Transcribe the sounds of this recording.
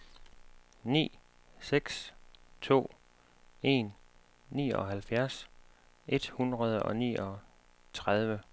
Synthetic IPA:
nḭː | seɡ̥st͡sʰo̝̰ː | e̝̰nː | ḭːɒ̽ɦælfjæɐs | ʔe̝d̥hunʁɐð̞ˠəɒ̽nḭːɒ̽ | t͡sʰʁað̞ˠʋə

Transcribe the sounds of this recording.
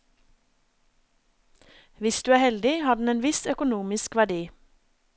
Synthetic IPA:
ʋɪsd̪ʉːæːhɛld̪ɪhɑːɖn̩eːnʋɪsœkʊnuːmɪskʋæɖiː

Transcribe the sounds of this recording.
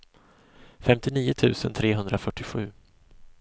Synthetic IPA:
fɛmt̪ɪniːʊt̪ʰʉ̟ːsə̰nt̪ʰɾeːɦɵnd̪ɾafœʈːɪɧʉ̟ː

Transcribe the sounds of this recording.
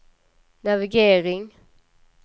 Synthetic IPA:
navɪɡeːɾɪŋ

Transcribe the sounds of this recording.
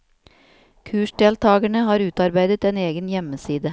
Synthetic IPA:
kʰʉːʃɖeːlt̪ʰɑːɡæɳəhɑːɾʉːt̪ɑɾbæɪd̪ət̪eːneːɡənjɛməsiːd̪ə

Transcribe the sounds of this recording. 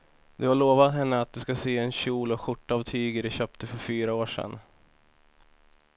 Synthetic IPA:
d̪ɵhaɭoːvat̪ɦɛnːəat̪̚d̪ɵskaseːɛnɕuːlɔɧʊʈːɑːvt̪ʰyːɡəɖɛɕøːp̚t̪əfœɾfyːɾaoːʂɛ̰n

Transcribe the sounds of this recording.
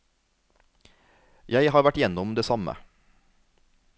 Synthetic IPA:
jæɪhɑːɾʋæʈjɛnɔmd̪eːsɑmə̰

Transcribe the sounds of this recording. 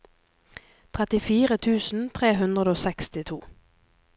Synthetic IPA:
t̪ʰʁɛt̪ɪfiːʁət̪ʰʉːsn̩t̪ʰʁeːɦʉnd̪ʁəd̪oːsɛkst̪ɪt̪ʰuː

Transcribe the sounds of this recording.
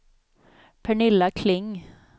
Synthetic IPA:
pʰɛɳɪlːakʰlɪŋ

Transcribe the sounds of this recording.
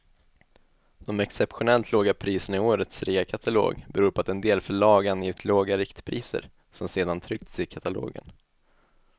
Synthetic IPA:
d̪̥ɔmɛksɛpɧʊnɛlt̪ʰloːɡapʰɾiːsənaɪoːɾət̪sɾiːakʰat̪ʰalo̰ːɡbɛɾuːɾpʰɔat̪ɛnd̪eːlfœɭɑːɡanjɪvt̪ʰloːɡaɾɪkt̪pʰɾiːsə̰ɾ | sɔmseːd̪ant̪ʰɾʏk̚t̪sɪkʰat̪ʰalo̰ːɡə̰n

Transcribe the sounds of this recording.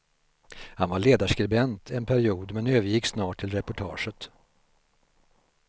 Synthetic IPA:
hanvaɭeːd̪aʂkɾɪbɛnt̪ʰɛnpʰæɾɪuːd̪mɛnøːvəɾjɪkːsnɑːʈʰːɪlɾɛpʊʈʰɑːʂət̪

